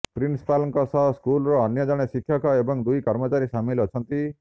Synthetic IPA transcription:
pɾinst̪alɔŋkɔsɔɦɔskulɾɔːnjʌd͡ʒɔɽ̃esikʰjɔkɔebɔŋd̪ujkʌɾmɔt͡ʃaɾisamilʌt͡ʃʰʌnt̪i

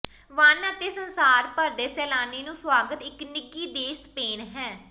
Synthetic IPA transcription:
ʋənət̪eːsənsaːɾpəɾd̪eːsɛːlaːneːnũːswaːɡət̪ɪknɪɡiːd̪eːspeːnɦɛː

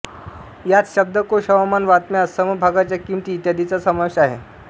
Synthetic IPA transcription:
jat͡sɕəb̚d̪əkoɕəʋamanʋat̪meəsəməbʱaɡat͡ɕjakimt̪iːt̪jad̪ʱit͡sasəməʋɕaɦḛ

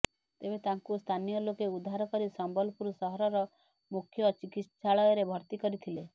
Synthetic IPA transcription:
t̪ebet̪aŋkust̪ʰanijɔlokeud̪ʱːaɾɔkɔɾisɔmbɔlɔpuɾusɔɦɔɾɔɾɔ | mukʰjɔt͡ʃikit̪saɭɔjɔɾebʱɔɾt̪ikɔɾit̪ʰile

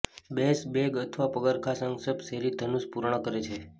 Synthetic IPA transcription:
besbeɡət̪ʰʋapəɡəɾkʰasəŋɡsəbseɾid̪ʱənuspuɾɳ̃əkəɾet͡ʃʰe

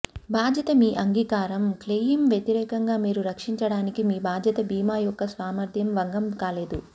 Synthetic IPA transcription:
bʱaːd̪jɐt̪ɐmiːʔɐŋɡiːkaːɾɐmkleːjimʋjet̪iɾɛːkɐŋɡaːmiːɾuɾɐkʂiɲt͡ʃɐɽaːnikimiːbʱaːd͡ʒ̪ʱjɐt̪ɐbiːmaːjɔkːɐsʋaːmɐɾd̪ʱjɐmʋɐŋɡɐmkaːleːd̪u

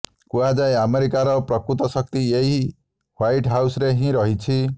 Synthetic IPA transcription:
kuad͡ʒajameɾikaɾɔpɾɔkɾut̪ɔsɔk̚t̪ieɦi | wajʈɦawsɾeɦĩɾɔɦit͡ʃʰi

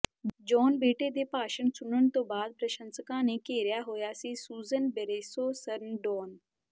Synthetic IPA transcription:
d͡ʒɔːnbeːʈeːd̪eːpaːʃəɳsʊnəɳt̪õːbaːd̪̚pɾəʃə̃nskãːneːkeːɾɪjaːɦoːjaːsiːsuːzənbeɾeːsoːsəɾnɖɔːn

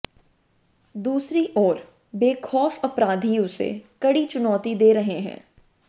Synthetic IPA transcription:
d̪uːsɾiʔɔːɾ | beːkʰɔːfɐpɾaːd̪ʱijõsḛkɐɽit͡ʃʊnɔːt̪id̪eːɾɐɦeɦɛ̰̃ː

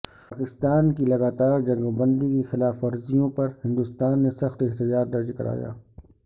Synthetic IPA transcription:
paːkɪst̪aːnkilɐɡaːt̪aːɾd͡ʒɐŋɡbɐ̃nd̪ikexɪlaːfɐɾzijõpɐɾhɪ̃nd̪ʊst̪aːnːesɐxt̪ɪɦt̪ɪd͡ʒaːt̪̚d̪ɐɾd͡ʒkɐ̰ɾa̰ːja̰ː

